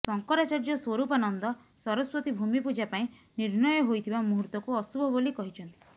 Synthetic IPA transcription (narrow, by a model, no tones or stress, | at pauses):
sɔŋkɔɾat͡ʃaɾd͡ʒɔswɔɾupɔanɔnd̪ɔ | sɔɾɔswɔt̪ibʱumipud͡ʒapaĩ | niɾnɔjɔɦojt̪ʰibamuɦuɾt̪ɔkuɔsubʱɔbolikɔɦit͡ʃʰɔnt̪i̥